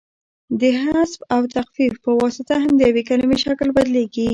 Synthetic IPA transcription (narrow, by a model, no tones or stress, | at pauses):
d̪əɦasbawt̪axfifpəwɑsɪt̪aɦamd̪əjawekalamiʃaklbad̪leɡi